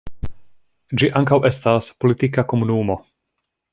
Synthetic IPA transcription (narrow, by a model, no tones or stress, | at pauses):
d͡ʒiʔaŋkawʔe̞staspolit̪ikako̞munumo̞